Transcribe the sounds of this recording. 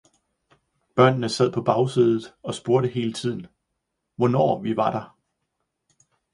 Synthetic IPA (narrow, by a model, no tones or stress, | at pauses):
b̥ɶɐ̰nnəsæð̰ˠpʰɒ̽b̥ɑ̈ʊsiːðˠð̩ˠɒ̽sb̥o̝ɐɾəɦe̝ːlət͡sʰið̞̰ˠn̩ | ʋɒnɒ̰ːʋiʋɑ̈ɾ̥ɑ̈